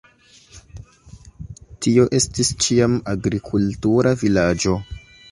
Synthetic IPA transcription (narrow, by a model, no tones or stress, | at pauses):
tio̞ʔe̞stist͡ʃiamaɡɾikʰultuɾʔavilad͡ʒo̞